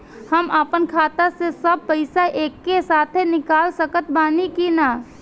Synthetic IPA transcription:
həməpənkʰaːt̪asesəb̚pəɪsaʔeːkːesaːt̪ʰenɪkaːlsəkət̪baːnikinaː

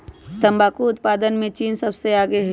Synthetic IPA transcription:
t̪ɐ̃mbaːkuʊt̪paːd̪ənmẽt͡ʃiːnsɐbseaːɡeɦ

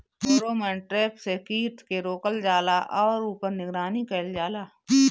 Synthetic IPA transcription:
oːɾoːmɛ̃ːɳʈɾeːpsekiːʈ̪keɾoːkəld͡ʒaːlaʔɔːɾuːpəɾnɪɡɾaːnikeːld͡ʒaːlaː

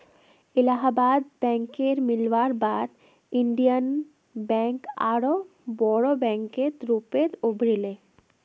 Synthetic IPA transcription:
ilaɦabad̪bɛŋkeɾmilʋaɾbaɾ | iɳɖijan | bɛŋka̰ɽo | bɔɽobɛŋket̪ɾupeɾobɾile

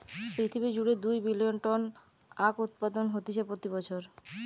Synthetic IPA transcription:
pɾit̪ʰibid͡ʑuɽed̪ujbilionʈɔn | akut̪̚pad̪onɦot̪it͡ɕʰepɾot̪ibɔt͡ɕʰoɾ

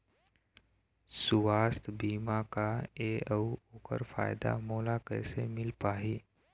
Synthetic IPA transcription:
sʊʋaːst̪ʰbiːmakaeːəuoːkə̰ɾfa̰ːɪd̪a̰moːlakɛːsemɪlpaːɦiː

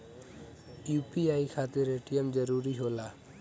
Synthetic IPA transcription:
jupiajkʰat̪iɾeʈijemd͡ʒɔɾuɾiɦola

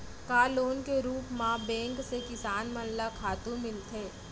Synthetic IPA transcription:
kaːloːnkeɾuːpmãbɛ̃ːŋksekɪsaːnmɐllakʰaːt̪ũmɪlt̪ʰeː

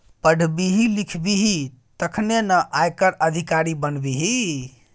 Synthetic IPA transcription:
pəɽ̤ʱbiɦilikʰbiɦit̪əkʰnenəʔajkəɾəd̪ʱikaɾibənbiɦi

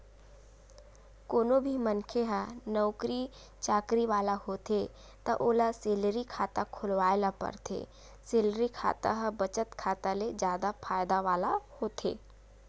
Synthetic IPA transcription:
koːnobʱimənkʰeɦanɔʊkɾi | t͡ʃaːkɾiʋaːlahoːt̪e | t̪ɐʔoːlaseːlɾikʰaːt̪akʰʊlʋaːjlapɐ̰ɾt̪ʰḛː | seːlɾikʰa̰ːt̪a̰ɦəbət͡ʃət̪kʰaːt̪aled͡ʒjaːd̪afʰaːjd̪aʋaːlahoːt̪ʰḛː

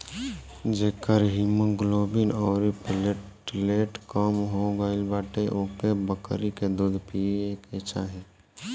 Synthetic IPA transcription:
d͡ʒeːkəɾɦiməɡloːbinɔːɾipl | leːʈkɔmɦoɡaːɪlbaːʈeʔokebəkɾiked̪uːd̪pieːket͡ʃʰaɦĩ

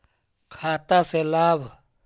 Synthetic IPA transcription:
kʰaːt̪aselaːb

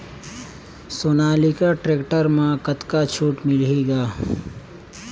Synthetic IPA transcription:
soːnaːlikaʈɾeːkʈəɾmãkət̪kat͡ʃʰuːʈmɪleːɡaː

